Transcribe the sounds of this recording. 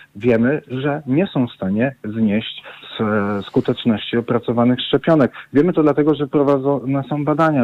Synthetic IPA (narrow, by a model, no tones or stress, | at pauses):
vʲjɛmɘʐɛɲɛsɔ̃w̃fst̪aɲɛzɲeɕt͡ɕsskut̪ɛt͡ʂnɔɕt͡ɕiɔpɾat̪sɔvanɘxʂt͡ʂɛpʲjɔnɛkvʲjɛmɘt̪ɔd̪lat̪ɛɡɔʐɛpɾɔvad̪ɔnɛsɔ̃w̃bad̪aɲa